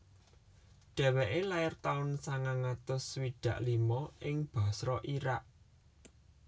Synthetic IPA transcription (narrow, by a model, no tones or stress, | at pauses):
ɖ̪̥ɛ̤wɛʔelaɪrt̪aʊnsaŋaŋat̪ʊswiɖ̪̥ä̤ʔlimɔɪŋb̥a̤sɾɔʔiɾaʔ